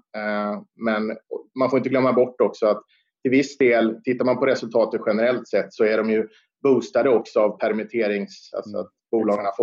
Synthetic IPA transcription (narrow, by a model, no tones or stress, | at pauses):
mɛnɔmanfoɾɪnt̪əɡlœmːabɔʈːɔksɔat̪ | t̪ʰːɪlvɪsːd̪eːlt̪ʰɪt̪ːaɾmanpʰɔɾɛsɵlt̪ʰɑːt̪ət̪ɧɛnəɾɛlt̪sɛt̪ːsɔæɖɔmjɵ | buːst̪ad̪əɔksɔavpʰæɾmɪt̪ʰeːɾɪŋsa̰lsɔa̰t̪̚buːlɑːɡaɳaf